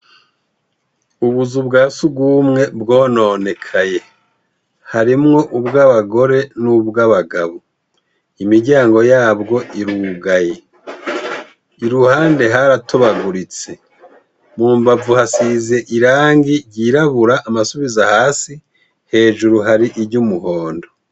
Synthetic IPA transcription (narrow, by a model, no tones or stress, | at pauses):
uβuzubɡaːsubɡuːmŋe̞bɡo̞ːno̞ːne̞kʰaje̞ | haɾimŋo̞ʔubɡaːβaɡo̞ɾe̞nuβɡaβaɡaβo | imiɾɟaːŋɡo̞jaːbɡo̞ʔiɾuɡaje̞ | iɾuhaːnde̞ɦaɾatʰo̞βaɡuɾit͡se̞ | muːmbavuhasize̞ʔiɾaːŋɡiɟiɾaβuɾaʔːmasuβizahaːsi | he̞ːʒuɾuɦaɾiʔiɾɟumuho̞ːndo